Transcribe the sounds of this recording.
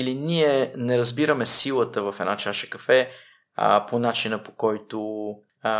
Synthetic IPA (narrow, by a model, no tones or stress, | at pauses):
iliniɛnɛɾɐzbiɾəmɛsilˠət̪əvɐfɛd̪at͡ʃaʃə̥kɐfɛ̰ | ponat͡ʃinəpo̥kɔjt̪o